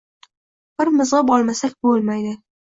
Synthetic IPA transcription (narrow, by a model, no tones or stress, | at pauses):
b̥ɪɾmɪzʁɨbɒlˠmasakʲbolmajd̪ɪ